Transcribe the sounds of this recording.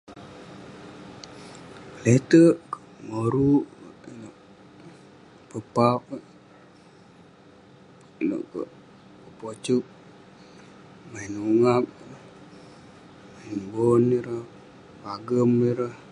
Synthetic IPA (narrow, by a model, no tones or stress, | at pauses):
let̪əʔkə | moɾuʔinoʔ | pəpap̚ | nə̰ʔkə̰ʔ | əpot͡ʃuk̚ | mainuŋap̚ | mainboniɾəh | paɡəmiɾəh